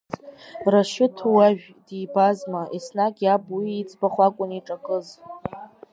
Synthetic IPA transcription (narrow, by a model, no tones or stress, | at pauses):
raʃɪtʰuwaʒᶣ | dijbazmaʔisnakʼjabiit͡sʼbaχʷakʷʼʊniʈ͡ʂʼakʼɨz